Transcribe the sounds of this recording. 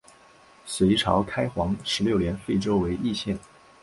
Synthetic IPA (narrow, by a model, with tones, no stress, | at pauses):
swe˧˥ɪʈ͡ʂʰɑ˧˥ʊkʰa˥ɪxwɑ˧˥ŋʂɻ̩˧˥ljo˥˩ʊljɛ˧˥nfe˥˩ɪʈ͡ʂo˥ʊwe˧˥ɪʔi˥˧ɕjɛ˥˩n